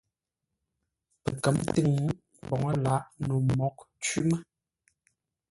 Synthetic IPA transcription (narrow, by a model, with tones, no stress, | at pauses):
pə̰˨kə˨˦mtɨ˦˨ŋ˦ | bɔ˨ŋə˦la˨˦ʔno˨mɔ˨˦k̚t͡ʃi˦mə˦